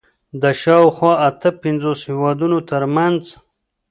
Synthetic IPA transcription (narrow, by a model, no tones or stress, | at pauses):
d̪əʃɑwxwɑʔat̪əpɪnzoshewɑd̪unot̪əɾmanz